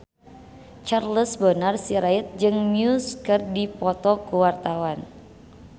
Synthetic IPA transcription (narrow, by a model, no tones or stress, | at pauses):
t͡ʃarləsbənərsiɾait̪̚d͡ʒɨŋmiuskɨrdipɔt̪ɔkuwart̪awan